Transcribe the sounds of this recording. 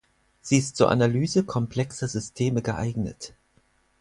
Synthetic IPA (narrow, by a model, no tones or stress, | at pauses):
z̥iːɪstt͡suːɐʔa̰nalyːzəkʰɔmpl̥ɛksɐzʏstʰeːməɡəʔa̰ɪɡnə̰t